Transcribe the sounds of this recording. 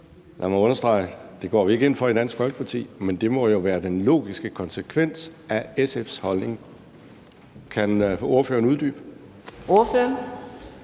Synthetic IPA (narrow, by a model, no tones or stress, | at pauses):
lʔæmæɔ̽nɐsd̥ʁɑ̈ɪ̰əd̥e̝ɡ̥ɒ̰ːʋie̝ɡ̥e̝nfɒ̽ed̥æn̰sɡ̥fɒ̽lɡ̥ə̥pʰɑ̈t͡sʰḭːmend̥e̝mɒ̽jo̝ʋæːɐd̥enlo̝̰ːɡ̥isɡ̥əkʰɒ̽nsəkʰʋen̰sʔæesefshɒ̽lne̝ŋ | kʰænfo̝ɐfø̰ːɐnuðˠd̥y̰ːb̥ | o̝ɐføɐn